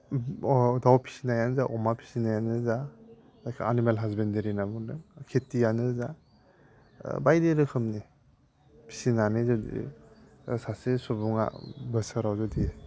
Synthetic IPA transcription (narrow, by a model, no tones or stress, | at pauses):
dawpʰi̥sinajanzaʔɔmapʰi̥sinajanɯza | akʰaanimalɦazbendeɾinabunɯkʰetːijanɯza | bajdeɾɯkʰɯmni | pʰi̥sinanizɔdḭ | sasesubuŋa̰bəsaɾawzɔdi